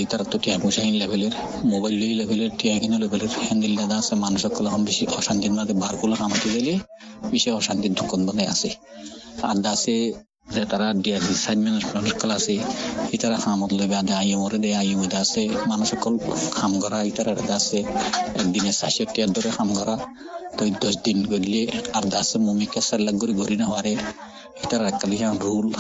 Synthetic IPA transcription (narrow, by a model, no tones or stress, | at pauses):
it̪aɾat̪ːoʈiapusainlɛbʱɛleɾ | mobajlːojilɛbʱeleɾʈʰiakʰinɔlojbɛleɾhɛnd̪ilːad̪asɛmanuʃɔkːɔlaxɔnbiʃihɔʃant̪inbad̪ɛbaɾkulaxamat̪izalie | biʃɔhɔʃant̪id̪ʱukːɔnbad̪ɛa̰se | a̰d̪ase | zɛt̪aɾaɖijasisadmɛnapɾɔnɔkːɔlasɛhit̪aɾaxamɔt̪lojbead̪eajɔmɔɾed̪ɛajɔbɔjd̪aasemanuʃɔkːɔlkʰamɡɔɾait̪aɾaɾɛd̪aseɛk̚d̪inɛsaʃiɔtːijad̪ɔɾexamɡɔɾa | t̪ɔid̪ɔsd̪inɡoɾileaɾd̪asemumikːasɛlːaɡoɾiɡɔɾinaɦaɾe | hit̪aɾaɾɛkːalikãɾul